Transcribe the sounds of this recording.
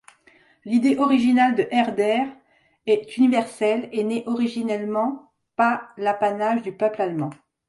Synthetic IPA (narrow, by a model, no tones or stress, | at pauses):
lid̪eʔɔʁiʒinald̪əʔɛʁd̪ɛʁ | ɛt̪ynivɛʁsɛlenɛʔɔʁiʒinɛlmɑ̃ | palapanaʒd̪ypœplalmɑ̃